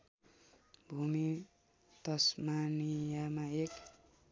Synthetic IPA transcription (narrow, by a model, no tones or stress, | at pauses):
bʱumi | t̪ʌsmanijamaek